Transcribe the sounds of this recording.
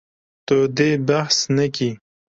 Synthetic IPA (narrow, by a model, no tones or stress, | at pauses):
t̪od̪ebahsnɐki